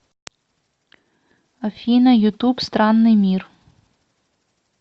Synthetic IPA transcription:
ɐfʲinɐjʊt̪upst̪ɾɑnːɪjmʲir

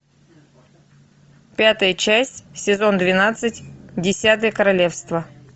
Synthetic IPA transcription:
pʲat̪əjət͡ɕæsʲtʲsʲɪzo̞nd̪vʲɪnat̪sɨtʲdʲɪsʲat̪ɨjəkəɾɐlʲe̞fst̪və

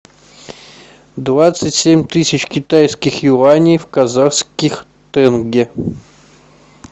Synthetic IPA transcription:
d̪vat̪sɨtʲsʲemʲt̪ɨsʲɪt͡ɕkʲɪt̪ajskʲɪxjuvanʲijfkazaχskʲɪx | t̪ɛnɡʲɪ

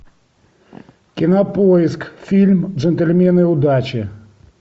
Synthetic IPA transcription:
kʲinɐpɔjɪskfʲilʲmʐɛnt̪ɛlʲmʲɛnɨjud̪at͡ɕɪ

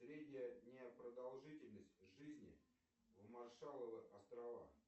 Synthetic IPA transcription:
sɾʲedʲnʲɪjənʲepɾəd̪alˠʐɨtʲɪlʲnəsʲtʲʐɨzʲnʲɪ̰ | vmarʂalˠəvɨʔɐst̪ɾɐva̰

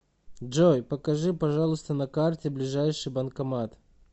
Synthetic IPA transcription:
ʐojpəkɐʐɨpɐʐalˠʊst̪ənɐkartʲɪblʲɪʐajʂɨjbənkɐmat̪

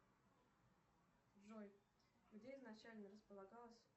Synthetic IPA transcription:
ʐoj | ɡdʲeɪznɐt͡ɕælʲnəɾəspəlˠɐɡɑlˠəsʲ

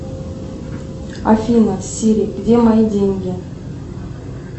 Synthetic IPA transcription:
a̰fʲinasʲiɾʲekd̪ʲemɑjdʲeŋɡʲe

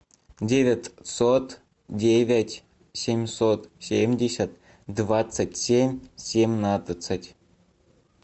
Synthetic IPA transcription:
dʲevʲetʲsot̪ | dʲevʲetʲ | sʲemʲsot̪sʲemʲdʲesʲat̪̚ | d̪vat͡sːətʲsʲemʲsʲemʲnat̪ət͡s̪ətʲ

